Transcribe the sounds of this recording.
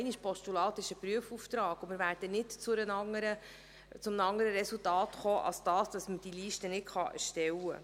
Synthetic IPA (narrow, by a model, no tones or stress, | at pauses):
ɛɪniʃpɔʃtulɑːt̪ɪʃəpɾyəfuːft̪ɾɑːɡ̥ʊmɪɾværd̥ənɪtt͡sʊɾənɑŋəɾə | t͡sʊmnɑŋːəɾəɾɛsultɑːtχoːʔɑ̰lsd̥ɑːsd̥ɑsməd̥iliːʃtənɪtχɑʔɛ̰ɾʃtɛwə̰